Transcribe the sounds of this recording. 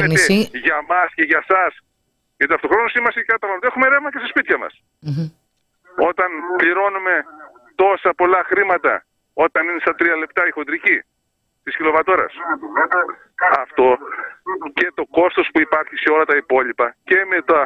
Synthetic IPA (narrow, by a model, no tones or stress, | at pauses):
et̪eʝɐmɐsce̞ʝɐsɐs | ʝɐt̪iɐft̪o̞xɾo̞nosimɐsikɐɐt̪ɐmɐt̪oexume̞ɾevmɐcesɐspit̪çɐmɐ̰s | o̞t̪ɐnpʎiɾo̞nume̞ | t̪o̞sɐpo̞lɐxɾimɐt̪ɐ̰ | o̞t̪ɐninest̪ɐt̪ɾiɐle̞pt̪ɐixo̞nd̪ɾici | t̪iscilo̞vɐt̪o̞ɾɐ̰s | ɐft̪o̞ | ce̞t̪o̞ko̞st̪o̞spuipɐɾçiseo̞lɐt̪ɐipo̞lipɐce̞me̞t̪ɐ